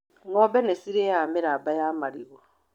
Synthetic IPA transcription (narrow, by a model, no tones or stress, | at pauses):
ŋɔbɛnɛsiɾejamɪɾabajamaɾiɣo